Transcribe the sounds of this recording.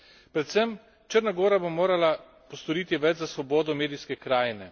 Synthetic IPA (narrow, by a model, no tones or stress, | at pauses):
pɾɛt̪səm | t͡ʃəɾnaɡoːɾabomoːɾala | pɔst̪ɔɾiːt̪iʋɛt͡ʃzasʋɔboːd̪ɔmeːd̪ijskɛkɾaːjnɛ